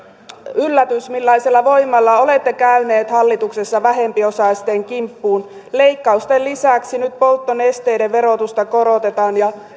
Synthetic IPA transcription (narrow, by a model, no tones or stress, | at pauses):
ylːæt̪ysmilːɑiselːɑʋo̞jmːɑlːɑo̞le̞t̪ːekæyneːt̪hɑlːit̪uksesːɑʋæɦe̞mpio̞sɑist̪eːŋkimpːuːn | le̞ikːɑust̪ellisæksinyt̪̚po̞lt̪ːonest̪ejdeʋʋe̞ɾo̞t̪ust̪ɑko̞ɾot̪e̞t̪ɑːnjɑ